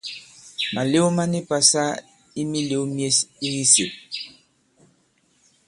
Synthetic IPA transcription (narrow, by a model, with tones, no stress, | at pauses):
ma˨le˦u˦ma˦ni˦pa˨sa˦ | i˦mi˦le˦u˦mje˦si˦ɣi˦si˨p̚